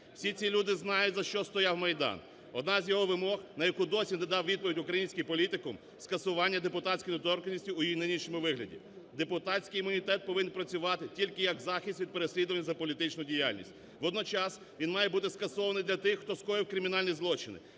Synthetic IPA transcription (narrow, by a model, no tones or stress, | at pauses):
wsʲit͡sʲilʲud̪ɪznɑjʊtʲzɐʃt͡ʃɔst̪ɔjawmɐjd̪ɑ̰n | ɔd̪nɑzʲjɔɦɔʋɪmɔxnɐjɐkud̪ɔsʲined̪ɑwʋʲid̪̚pɔʋʲidʲʊkɾɐjinʲsʲkɪjpɔlʲit̪ɪkʊm | skɐsʊʋɑnʲːɐd̪epʊt̪ɑsʲkʲɪjnɔt̪ɔɾkɐnʲisʲtʲiʊjijinɪnʲiʃɔmʊʋɪɦlʲɐ̰dʲḭ | d̪epʊt̪ɑt͡sʲkɪjimʊnʲit̪ɛt̪̚pɔʋɪnnpɾɐt͡sʲʊʋɑt̪ɪtʲilʲkɪjɐɡzɑxʲisʲt̪ʲʋʲid̪̚peɾesʲlʲid̪ʊʋɐnʲːɐzɐpɔlʲit̪ɪt͡ʃnʊdʲijalʲnʲḭsʲtʲ | ʋɔd̪nɔt͡ʃɑs | ʋʲinmɑjɛbut̪ɪskɐsɔʋɐnɪjd̪lʲɐt̪ɪxːt̪ɔskɔɾɪwkɾɪmʲɪnɑlʲnʲizlˠɔt͡ʃɪnɪ̰